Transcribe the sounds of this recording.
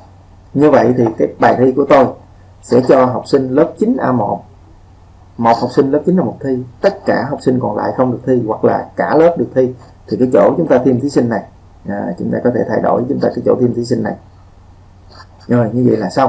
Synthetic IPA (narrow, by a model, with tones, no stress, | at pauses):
ɲɨ˧və̰˧˨jt̪ʰi˨˩kaː˨˦jɓaː˨˩jt̪ʰi˧ku˧˩ət̪o˧j | sɛ̰˧˥t͡ɕɔ˧ɦa˨˩wk͡p̚si˧ŋ̟lə˦˥p̚t͡ɕï˨˦ŋ̟ʔaː˧mo˨˩p̚ | mo˨˩ha˨˩k͡p̚si˧ŋ̟ləː˦˥p̚t͡ɕi˨˦n̟ʔaː˧mo˨˩t̚t̪ʰi˧t̪ə˦˥t̚kaː˧˩ɦa˨˩wk͡p̚si˧ŋ̟kɔ˨˩nla̰ː˧˨jxə˧wŋ͡mɗɨ˨˩ək̚t̪ʰi˧wa˨˩k̚la̰ː˨˩kaː˧˩ləː˦˥p̚ɗɨ˨˩ək̚t̪ʰi˧ | t̪ʰi˨˩kaː˨˦jt͡ɕo̰˧˩t͡ɕʊ˨˦ŋ͡mt̪aː˧t̪ʰi˧mt̪ʰi˨˦sï˧ŋ̟ːa˨˩j | ʔt͡ɕʊ˨˦ŋ͡mt̪aː˧kɔ˨˦t̪ʰe˧˩t̪ʰa˧jɗo̰˧˩jt͡ɕʊ˨˦ŋ͡mt̪aː˧kaː˨˦jt͡ɕo̰˧˩t̪ʰi˧əmt̪ʰi˨˦si˧ŋna˨˩j | zo˨˩jɲɨ˧və̰˧˨jlaː˨˩sa˧w